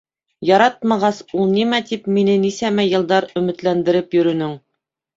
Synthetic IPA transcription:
jɑɾɑt̪̚mɑʁɑsulˠnimæt̪ipminɘnisæmæjɤ̆lˠd̪ɑɾɵ̆mɘ̆t̪lænd̪ɘ̆ɾɘpjɵ̆ɾɵ̆nɵŋ

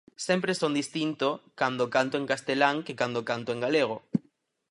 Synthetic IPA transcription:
sẽmpɾesond̪ist̪int̪okand̪okãnt̪oeŋkast̪elaŋkekand̪okant̪oeŋɡaleɣ̞o

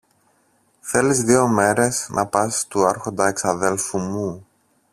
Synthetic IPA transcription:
θe̞lizðio̞me̞ɾe̞snʔɐ̰pɐst̪uɐɾxo̞nd̪ɐeksɐðe̞lfumu

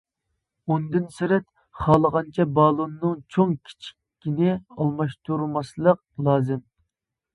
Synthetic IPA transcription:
ond̪ɨnsɪɾɛt̪ | χɑːlˠəʁɑnt͡ʃʰɛbɑːlˠonːɨŋt͡ʃʰoŋkʲʰi̥t͡ʃʰi̥kʲːinɪɑlˠmɑʃt̪ʰuɾmɑslˠəq̚ | lˠɑːzɨm

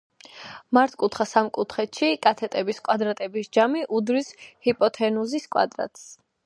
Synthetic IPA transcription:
maɾt̪ʰkʼut̪ʰχasamkʼut̪ʰχɛt̪ʃikʼat̪ʰɛt̪ʼɛbiskʼwad̪ɾat̪ʼɛbisd͡ʒamiʔud̪ɾishipʼɔt̪ʰɛnuziskʼwa̰d̪ɾa̰t̪ʼs

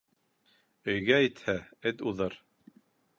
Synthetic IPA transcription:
ɵ̆jɡæit̪hæɘt̪uðɤɾ

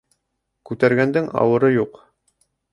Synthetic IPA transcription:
kʉt̪æɾɡænd̪ɘŋɑ̰wɤ̆ɾɤjuq

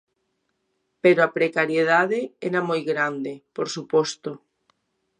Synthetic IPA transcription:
peɾoapɾekaɾjeð̞aðeeɾamojɣɾand̪epoɾsupɔst̪o

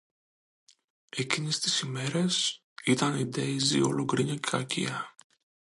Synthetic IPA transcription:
e̞cinest̪i̥sime̞ɾe̞s | it̪ɐnid̪ejzḭo̰loɡɾiɲɐcɐcḭɐ

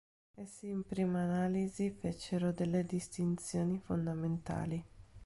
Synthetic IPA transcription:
esiːmpɾiːmaːnaːlizifet͡ʃːeɾod̪elːed̪ist̪int̪sjoːnifond̪ament̪a̰ːli

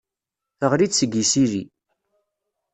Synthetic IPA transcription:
θəʁɾid̪səɡisiɾḭ

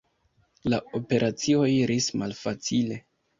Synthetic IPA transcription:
lao̞pe̞ɾʔat͡sio̞jɾismalfat͡sile̞

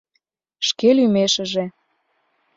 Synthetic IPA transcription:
ʃkelymeʃə̆ʒe

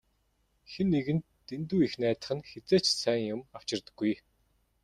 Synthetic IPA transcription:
xenːeɣɘ̆nːent̪uːixnæːt̪ə̥̆χɘ̆nxet͡seːt͡ɕsæːŋjʊmaw̥t͡ɕɪ̆rt̪ə̥̆ɡːuj

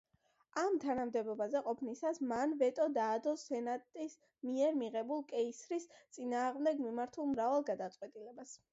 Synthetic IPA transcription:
amt̪ʰanamd̪ɛbɔbazɛqʼɔpʰnisasmanvɛt̪ʼɔd̪aːd̪ɔsɛnat̪ʼis | miɛɾmiʁɛbulˠkʼɛisɾist̪sʼinaːʁmd̪ɛɡmimaɾt̪ʰulˠmɾavalˠɡad̪at̪sʼwɛt̪ʼilɛbas

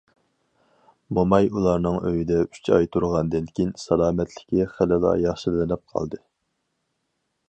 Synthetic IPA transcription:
momɑjulˠɑɾnɨŋøjid̪ɛy̥t͡ʃʰɑjt̪ʰuɾʁɑnd̪ɨnkʲinsɑlˠɑːmɛt̪ʰlɪ̥kʲʰiχælɪlˠɑ̰jɑχʃɨllɨnɪp̚qʰɑ̰lˠd̪ɨ

